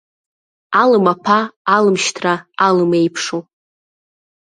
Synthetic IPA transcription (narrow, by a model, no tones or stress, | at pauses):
alɨmapʰaːlɨmʃtʰraalɨmejpʰʂo